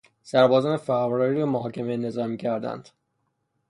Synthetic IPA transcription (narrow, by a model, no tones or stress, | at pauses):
sæɾbɒːzɒːnefæʁvɾɒːɾiɾɒːmoɦɒːcʰemejene̞zɒːɾmiːcʰæɾd̪æ̰nd̪̥